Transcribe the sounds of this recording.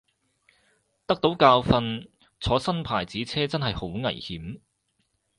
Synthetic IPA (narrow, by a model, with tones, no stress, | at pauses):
t̪ɐ˥k̚t̪o˨˥wkaː˧wfɐ˧n | t͡sʰɔː˨˧˥sɐ˥npʰaː˨˩jt͡siː˨˥t͡sʰɛː˥t͡sɐ˥nɦɐ˨jho˨˥wŋɐ̰˨˩jhiː˨˥m